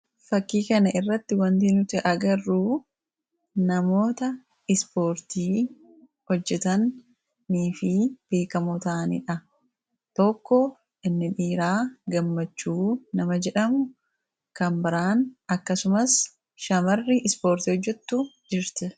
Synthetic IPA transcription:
fɐkːiːkɐnɐʔɪrːɐt̪ːɪwɐnt̪iːnʊt̪ɪʔɐɡɐrːuː | nɐmo̞ːt̪ɐ | ɪspo̞ːɾt̪iː | hɔd͡ʒːɛt̪ɐnː | iːfɪb̥e̞ːkɐmɔt̪aːnḭᶑɐ | t̪ɔkːɔ | ʔɪnːɪᶑiːɾaːɡɐmːɐt͡ʃːuːnɐmɐd͡ʒɛᶑɐmʊ | kɐmbɪɾaːnɐkːɐsʊmɐs | ʃɐmɐrːɪʔɪspo̞ːɾt̪iːhɔd͡ʒːɛt̪ːud͡ʒɪɾt̪ɪ

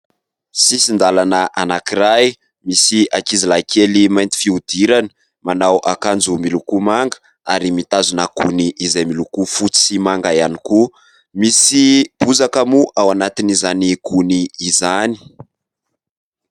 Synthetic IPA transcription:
sisind̪alanəʔanakiɾaj | misiakizilakʰelimajnt̪i̥fiud̪iɾani̥ | manawʔakand͡zumilukumaŋɡə̥ | aɾimit̪azunəkuniʔːzajmilukufut͡sisimaŋɡajaniku | misib̥uzakəmuʔawanat̪inizanikuniːzani̥

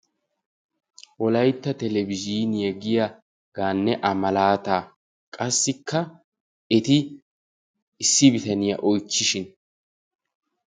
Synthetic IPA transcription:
ʔɔlɐjt̪ːɐt̪ɛlɛbɪziːnɪjɐɡɪjɐ | ɡ̥aːnːɛʔɐmɐlaːt̪aː | kʼɐsːɪkʰːɐ | ɛt̪ɪ | ɪsːɪbɪt̪ɐnɪjɐ̰ʔɔjt͡ʃːɪʃɪn

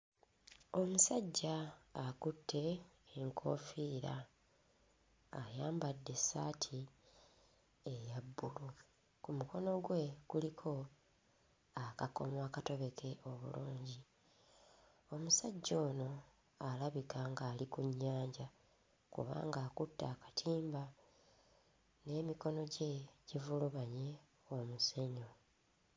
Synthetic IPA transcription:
o̞musaɟːaːkutʰːe̞ːŋkʰo̞fiːɾa̰ | jaːmbadːe̞saːtʰi | ejabːulu | kumuko̞no̞ɡwe̞ɡ̥ulikʰo̞ | akako̞̰mwaːkato̞βe̞kʰe̞ʔo̞βṵluːɲɟi | o̞musaɟːo̞ːno̞ | alaβikaŋɡaːlikuɲːaːɲɟa | kṵβa̰ːŋɡaːkutːaːkḁtʰiːmba | ne̞ːmiko̞no̞ɟeɟ̥ivuluβaɲe̞ | omuse̞ɲo̞

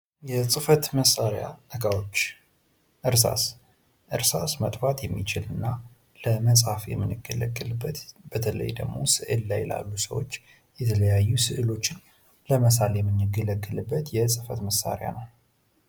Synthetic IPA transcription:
jɛsʼɨfət̪məsːaɾja̰nəkʼawot͡ʃː | ʔɨɾsa̰s | ʔɨɾsasmət̪ʼfat̪jɛmːit͡ʃɪlɨnːa | ləməsʼhafjɛ̰mːɨnːɨɡːələɡːəlɨbːət̪b̥ət̪ʰələ̰jd̪ə̰ɡmo̞̰sɨʔɨlːajɛla̰lːusəwo̞t͡ʃː | jɛt̪ʰələjajːusɨʔɨlo̞t͡ʃːɪn | ləməsaljɛmːɨnːɨɡːələɡːɨlɨbːət̪jɛsʼɨfət̪məsːa̰ɾɪja̰nəw

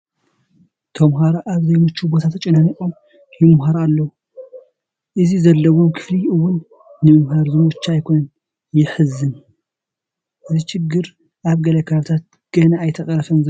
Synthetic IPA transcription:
t̪ʰɐmɦaɾaʔaβzɐjmɨt͡ʃːubot̪ʰat̪ʰɐt͡ʃʼɨnɐniʔʼom | jɪmɦaɾaalːɐwu | ʔɨzizɐlːɐwo̞mkʰɨ̥fliɨwʊnː | ɨmɨmɦaɾzɨmut͡ʃːajkʰo̞nɐn | jɪħɨzɨn | ʔɨziʃɪɡːɨɾ | ʔaβɡɐlɐkʰaβɨt̪ʰat̪̚ | ɡ̥ɐnaːjt̪ʰɐkʼɐɾɐfɐnz

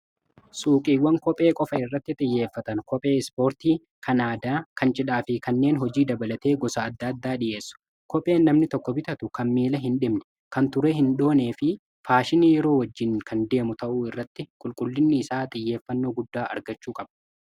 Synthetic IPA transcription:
suːkʼiːwːɐŋkɔpʼe̞ːkʼɔfɐɪrːɐt̪ːɪt̪ʼɪjːe̞ːfːɐt̪ɐnkɔpʼe̞ːɪspo̞ːɾt̪iː | kʰɐnaːd̪aːkʰɐnt͡ʃʼɪᶑaːfɪkɐnːe̞ːnɦɔd͡ʒiːd̪ɐbɐlɐt̪e̞ːɡɔsɐːd̪ːɐːd̪ːaːᶑɪʔe̞ːsːʊ̥ | kɔpʼːe̞ːnːɐmnɪt̪ɔkːɔbɪt̪ɐt̪ʊkɐnmiːlɐɦɪnᶑɪmnɛ̥ | kɐnt̪ʊɾɛɦɪnɗo̞ːne̞ːfɪ | faːʃɪniːjɛɾo̞ːwɐd͡ʒːɪnkʰɐnd̪e̞ːmʊt̪ɐʔuːɪrːɐt̪ːɪkʼʊlkʼʊlːɪnːɪːsaːt̪ʼɪjːe̞ːfːɐnːo̞ːɡʊd̪ːaːʔɐ̰ɾɡɐt͡ʃːuːkʼɐb̥ɐ̥

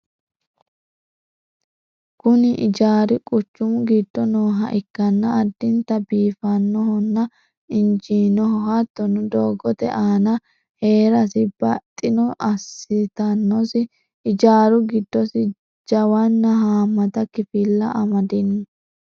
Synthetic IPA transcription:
kʊnɪʔɪd͡ʒaːɾɪkʼʊt͡ʃːʊmʊɡɪd̪ːɔnoːɦɐʔɪkːɐnːɐːd̪ːɪnt̪ɐbiːfɐnːɔhɔnːɐ | ɪnd͡ʒiːnɔhɔhɐt̪ːɔnʊd̪oːɡɔt̪ɛ̰ʔaːnɐ | he̞ːɾɐsɪbɐt̪ʼːɪnɔʔɐsɪt̪ɐnːɔsɪ | ɪd͡ʒaːɾʊɡɪd̪ːɔsɪ | d͡ʒɐwɐnːɐɦaːmːɐt̪ɐkɪfɪlːɐʔɐmɐd̪ɪnʊ

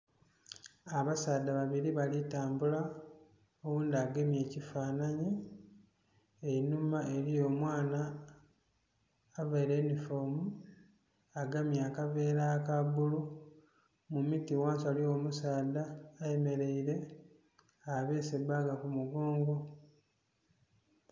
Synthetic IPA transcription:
aβasaːd̪aβaβiɾiβalitaːmbula | owuːndiaɡemje̞ːcifaːnaɲi | enumaʔe̞ɾijo̞ːmwaːna | veɾenifomu | aɡamjaːkave̞ːɾakaβulu | mumitiwaːnsalio̞musaːdaːjeme̞ɾe̞iɾe̞ | aβeːsebaɡakumuɡo̞ːŋɡo̞

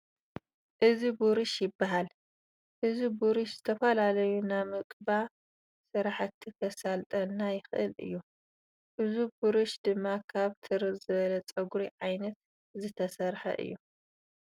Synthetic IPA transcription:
ʔɨzibuɾɨʃjɪbːaɦal | ʔɨzibuɾɨʃzɨt̪ʰɐfɐlalɐjunamɨkʼba | sɨɾaħat̪ʰːikʰɐsalt̪ʼɐnːajɪxɨʔɨ̰lʔɨ̰jːu | ʔɨzubuɾɨʃd̪ɨmːakʰaβt̪ʰɨɾɨzɨβɐlɐt͡sʼɐɡuɾiʕajnɐt̪ | zɨt̪ʰɐsɐɾħɐ̰ʔɨ̰jːu

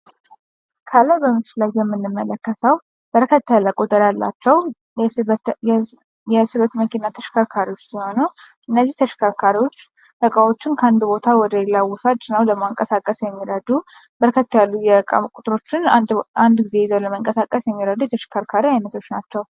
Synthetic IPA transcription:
kʰaləbəmːɨt͡ʃɪlajjɛmːɨnːɨmːələkːəsəw | b̥əɾkʰət̪ʰːajlakʼut̪ʼəɾjalːa̰t͡ʃːɛw | jɛsɨβət̪məkʰinːat̪ʰə̥ʃi̥kʰakʰaɾiwot͡ʃːsiho̞nəʔɨnːəzːiht̪ʰəʃi̥kʰaɾkʰaɾiwot͡ʃː | ʔəkʼawo̞t͡ʃːɪnkʰəand̪bo̞t̪ʰawɔd̪əjɛlːawɔsad͡ʒnəwləɡmoaŋkʼəsakʼəsjɛmːiɾəd̪ubəɾkʰət̪ːajalːujɛkʼa̰kʷʼut̪ʼɾo̞t͡ʃːɪnand̪ɡize̞jɪzəwləməŋkʼəsakʼəsjɛmːiɾəd̪ujɛt̪ʰəʃi̥kʰaɾkʰaɾiajnət̪ʰo̞t͡ʃːnat͡ʃːɛw

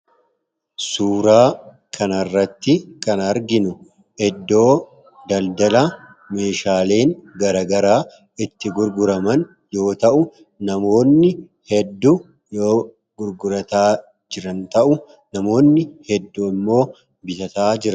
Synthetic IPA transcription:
suːɾaː | kʰɐnɐrːɐt̪ːɪkɐnɐɾɡɪnʊ | ʔɛd̪ːo̞ː | d̪ɐld̪ɐlɐ | me̞ːʃaːle̞ːŋɡɐɾɐɡɐɾaː | ɪt̪ːɪɡʊɾɡʊɾɐmɐn | jo̞ːt̪ɐʔʊ | nɐmo̞ːnːɪ | hɛd̪ːu | joː | ɡʊɾɡʊɾɐt̪aː | d͡ʒɪɾɐnt̪ɐʔʊ | nɐmo̞ːnːɪhɛd̪ːuɪmːo̞ː | bɪt̪ɐt̪aːd͡ʒɪɾɐ

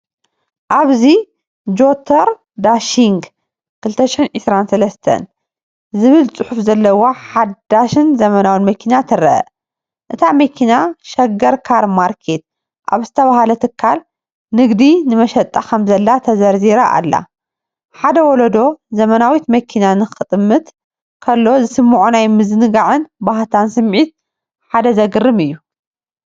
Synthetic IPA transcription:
ʔaβzi | d͡ʒo̞t̪ʰɐɾ | d̪aʃiŋɡ | kʰɨlt̪ʰɐʃɪħinʕɨsɾansɐlɐst̪ʰɐ̰n | zɨβɨlt͡sʼɨħufzɐlːɐwoħad̪aʃɨnzɐmɐnawinmɐkʰinat̪ʰɨɾɐʔɐ̰ | ʔɨt̪ʰamɐkʰinaʃɐɡɐɾkʰaɾmaɾkʰet̪̚ | ʔa̰βzɨt̪ʰɐβahalɐt̪ʰɨkʰːal | nɨɡd̪inɨmɐʃɐt̪ʼːakʰɐmzɐlːat̪ʰɐzɐɾziɾaʔa̰lːa̰ | ħad̪ɐwɔlɐd̪o̞zɐmɐnawit̪mɐkʰinanɨxɨt̪ʼmːɨt̪ | kʰɐlːo̞zɨsɨmːuʕunajmɨzɨnɨɡaʕɨnbaht̪ʰansɨmʕit̪̚ | ħad̪ɐzɐɡɨrːɨmɨjːu

